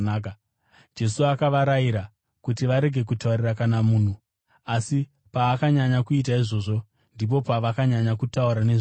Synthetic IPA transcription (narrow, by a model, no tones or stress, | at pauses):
k | d͡ʒe̞suakaʋaɾajiɾa | kutiʋaɾe̞ɡʱe̞k̬utauɾirakanamuːn̤u | asi | paːkaɲaɲakuitaiʐo̞ːʐo̞ | ndip̬o̞paʋakaɲaɲakutauɾane̞ʐ